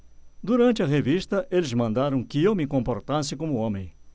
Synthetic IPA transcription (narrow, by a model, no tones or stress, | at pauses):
d̪uɾɐ̃nt͡ʃ̪ɪɐʁevist̪ɐʔelɪzmɐ̃nd̪aɾɐ̃w̃kɪewmɪkõmpoɾt̪asɪkõmʊõmẽj̃